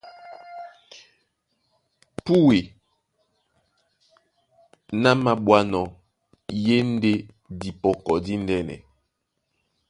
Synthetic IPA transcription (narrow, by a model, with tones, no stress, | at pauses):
pu˦we˨ | na˦ma˨ɓwa˦nɔ˨ | je˦n̩˦de˦ | di˨pɔ˨kɔ˨di˦n˦dɛ˦nɛ̰˨